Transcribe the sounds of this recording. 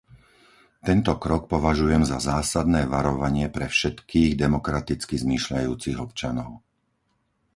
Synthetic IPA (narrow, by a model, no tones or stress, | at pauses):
t̪ɛnt̪ɔkɾɔk̚pɔʋaʒujɛmzazaːsad̪nɛːʋaɾɔʋaɲɪɛpɾɛfʃɛt̪kʰiːɣd̪ɛmɔkɾat̪it͡skizmiːʃʎajuːt͡siɣɔpt͡ʃanɔʊ